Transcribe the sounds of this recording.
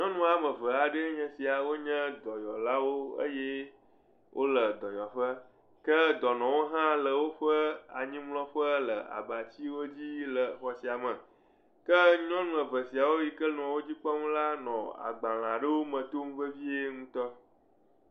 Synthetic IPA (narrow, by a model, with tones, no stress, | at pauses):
ɲɔ̃˦nũ˦a˨mə̃˨və˨a˨ɖə˦ɲɛ̃˨si˨a˨wo˦ɲɛ̃˦d̪ɔ˨jɔ˨la˦wo˦ə̰˦jɛ˦ | wʔo̰˦lə˨d̪ɔ˨jɔ˨ɸə˦ | kə˦d̪ɔ˨nɔ̃˨wo˦ɦã˦lə˨wo˦ɸə˦a̰˨ɲĩ˦mlɔ̃˦ɸə˦lə˨a̰˨ba˨t͡ɕi˦wo˦d͡ʑi˦lə˨xɔ˨si˨a˨mə̃˨ | kə˦ɲɔ̃˦nũ˨ə˨və˨si˨a˨wo˦ji˦kə˦nɔ̃˨wo˦d͡ʑi˦k͡pɔ˦ŋũ˦la˦nɔ̃˨a̰˨ɡ͡bã˨l̃ã˨ɖə˦wo˦mə̃˨t̪o˦ŋũ˦ɸə˦vi˦e˦ŋũ˦t̪ɔ˦